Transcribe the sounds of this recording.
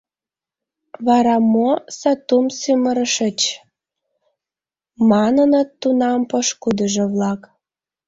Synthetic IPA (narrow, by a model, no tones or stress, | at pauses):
βɑɾɑmosɑt̪umsyməɾəʃə̆t͡ɕ | mɑnənə̆t̪ːunɑmpəʃkud̪əʒeβlɑk